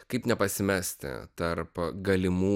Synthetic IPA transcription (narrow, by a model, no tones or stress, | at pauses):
kɐɪpnʲɛpɐsʲɪmʲɛːsʲt̪ʲɪ̰t̪ɐɾpɡɐlʲɪmuː